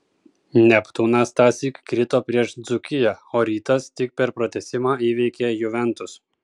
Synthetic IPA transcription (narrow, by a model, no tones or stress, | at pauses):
nʲɛpt̪uːnɑst̪ɑːsʲiːkkɾʲɪt̪oːpʲɾʲiɛʃd̪zʊkʲɪjɛoːɾʲiːt̪ɐst̪ʲɪk̚pʲɛɾpɾɔt̪ʲɛsʲɪmɑːiːʋʲɛɪkʲejʊʋʲɛnt̪ʊs